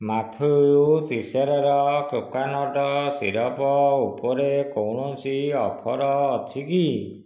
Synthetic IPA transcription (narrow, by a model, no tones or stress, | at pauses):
mat̪ʰujut̪iseɾɔɾɔkjokanɔʈɔsḭɾɔpɔupɔɾekowɽ̃ɔnt͡ʃiɔpʰɔɾɔːt̪ʰiki